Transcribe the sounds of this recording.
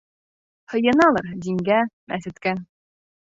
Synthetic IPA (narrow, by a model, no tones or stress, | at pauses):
hɤ̆jɤ̆nɑlˠɤɾd̪iŋɡæmæsɘ̆t̪kæ